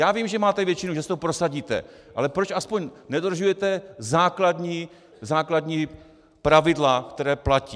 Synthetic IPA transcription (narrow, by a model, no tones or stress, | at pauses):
jaːviːmʒɛmaːt̪ɛvjɛt͡ʃɪnuʒɛsɛt̪opɾosaɟiːt̪ɛ̰ | ʔa̰lɛpɾot͡ʃʔaspoɲnɛdoɾ̩ʒujɛt̪ɛzaːkladɲiː | zaːkladɲiː | pɾavɪdlakt̪ɛɾɛːplaciː